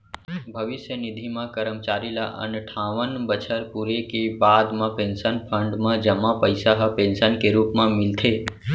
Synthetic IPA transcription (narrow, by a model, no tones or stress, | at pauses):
bʱəʋɪʃjənɪd̪ʱimãkəɾəmt͡ʃaːɾila̰ʔə̰nʈʰaʋənbət͡ʃʰəɾpuɾekebad̪mãpẽnsənpʰə̃ɳɖmãd͡ʒəmãpəɪsaɦəpẽnsənkeɾuːpmãmɪlt̪ʰe